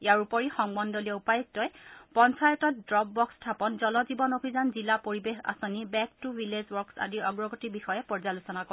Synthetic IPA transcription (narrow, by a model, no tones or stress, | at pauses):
ijaɹupɔɹixɔŋbɔndɔliɛupajɔstɔjpɔnsajɔtɔt̚dɹɔb̚ːɔkstʰapɔnzɔlɔzibɔnobʱizanzilapoɹibexa̰sonibɛk̚tuɹilezwɔɹksa̰diɔɡɹɔɡɔtibixɔjɛpɔɹzalusɔnakɔ